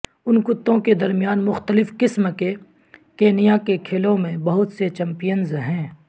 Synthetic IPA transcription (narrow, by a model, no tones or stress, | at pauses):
ʊnkʊt̪ːõked̪ɐɾmijaːnmʊxt̪əlɪfkɪsmke | keːnijakekʰeːlõmẽbɐɦʊt̪set͡ʃɐ̃mpijənzɦɛ̃ː